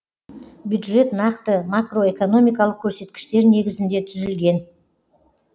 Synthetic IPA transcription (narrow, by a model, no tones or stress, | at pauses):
bjud̪ʒe̞t̪nɑqt̪əmakro̞e̞ko̞no̞mijkɑlˠəq̚kʲʰɵɾse̞t̪kʲɪ̥ʃt̪e̞ɾne̞ɡʲɪzɪnd̪e̞t̪ʰʏzɪlɡʲe̞n